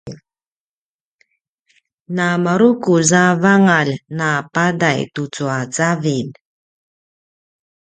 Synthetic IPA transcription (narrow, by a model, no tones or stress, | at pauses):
namaɾukuzavaŋalnapadajtut͡suat͡savin